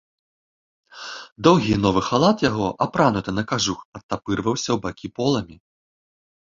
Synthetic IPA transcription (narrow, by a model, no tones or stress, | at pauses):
d̪ɔwɣʲinɔvɨxalˠat̪jaɣɔʔapɾanut̪ɨnɐkaʐuxɐt̪ːapɨrvɐwsʲɐwbakʲipɔlˠɐmʲi